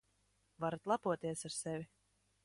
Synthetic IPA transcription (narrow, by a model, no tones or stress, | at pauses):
vaɾat̪lˠapuɔt̪iɛsaɾsɛvʲi